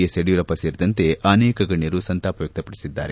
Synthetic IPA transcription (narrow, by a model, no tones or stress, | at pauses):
eseɽijuɾɐpɐseːɾd̪ɐnt̪e̞ʔɐnɛːkɐɡɐɳjɐɾusɐnt̪aːpɐjɐk̚t̪ɐpɐɽisid̪ːa̰ːɾe